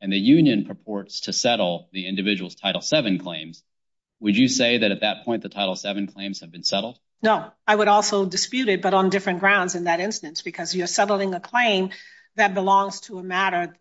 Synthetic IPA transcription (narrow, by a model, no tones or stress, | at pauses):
ɨ̃nðɨjʉ̃njɨ̃npʰɹ̥ɨpʰɔɹtstʰɨsɛɾl̩ˠðiɪ̃ndɨvɪd͡ʒəwl̩ˠz̥tʰaɪɾl̩ˠsɛvɨ̃nkʰl̥ẽɪ̃mz̥ | wɨd͡ʒɨseɪðɨɾɨt̪̚ðɨt̚pʰɔ̃ɪ̃nðɨtʰaɪɾl̩ˠsɛvɨ̃n̩kʰl̥ẽɪ̃mz̥ɨvbɨ̃nsɛɾl̩ˠd̥ | noʊaɪwəɾɔlˠsoʊdɨspjʉɾɨt̚b̥ʌɾn̩dɪfɹɨ̃nɡ̥ɹãʊ̃ndzɨ̃nðɨɾɪ̃nstɨ̃nsb̥ɨkʰʌzjə˞sɛɾl̩ˠɪ̃ŋəkʰl̥ẽɪ̃m | ðɨt̚b̥əlɔ̃ŋz̥tʰəəmæɾə˞